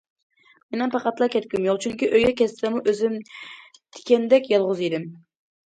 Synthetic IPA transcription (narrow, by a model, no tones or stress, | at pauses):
menɛpʰɑqɑt̪lˠɑkʲʰɛt̪̚kʲymjoʁt͡ʃʰyŋkʲiʔøjɡʲɛkʲɛst̪ɪ̥sɛmuʔøzɪmt̪ʰɪ̥kʲɛnd̪ɛkʲjɑlˠʁʊzid̪ɪm